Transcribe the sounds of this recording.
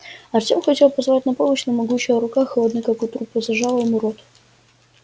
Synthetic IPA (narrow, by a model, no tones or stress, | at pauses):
ɐrtʲemxɐtʲelˠpɐzvɐlat̚ʲnɐpoməɕnɐmɐɡut͡ɕːɪjəɾʊkaxəlˠɐd̪nɨkakut̪ɾupːɨzɐʐalˠəjəmʊɾot̪